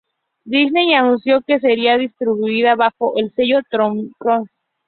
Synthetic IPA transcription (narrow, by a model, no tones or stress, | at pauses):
d̪isnejanũnsjokes̬eɾiaðist̪ɾiβuiðaβaxoʔelseʝot̪ɾomkɾon